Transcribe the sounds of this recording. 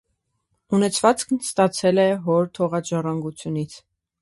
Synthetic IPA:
unɛt͡sʰvɑt͡skʰnst̪ɑt͡sʰɛlɛɦɔɾt̪ʰɔʁɑd͡ʒɑrɑŋɡut͡sʰjunit͡sʰ

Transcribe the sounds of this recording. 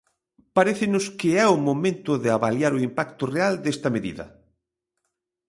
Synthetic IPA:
paɾeθɪnʊskɪɛʊmomẽnt̪ʊðɪaβaljaɾʊimpakt̪ʊreald̪est̪ɐmeðḭðɐ̰

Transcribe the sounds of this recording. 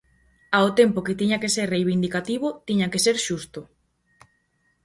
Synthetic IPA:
aot̪empoket̪iɲakeseɾrejβ̞ind̪ikat̪iβʊt̪iɲakeseɾʃust̪o

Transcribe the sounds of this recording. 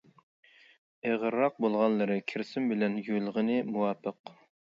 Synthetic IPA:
eʁəɾːɑq̚bolˠʁɑnlˠɨɾɨkʲʰɪɾsɪmbɪlɛnjølˠʁənɨmuwɑːpʰəq

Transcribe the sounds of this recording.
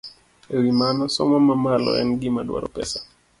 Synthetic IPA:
ewimanɔsɔmɔmamalɔ̰ɛ̰nɡɪmadwa̰ɾɔpɛsḁ

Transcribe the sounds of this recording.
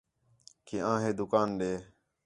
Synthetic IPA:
keãːɦeːd̪ʊkaːnɗeː

